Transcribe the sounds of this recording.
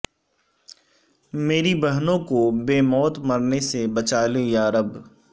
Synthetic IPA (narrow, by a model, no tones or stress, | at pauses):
meːɾibəɦnõkobeːmɔːt̪mɐɾnesebɐt͡ʃaːlejaːɾəb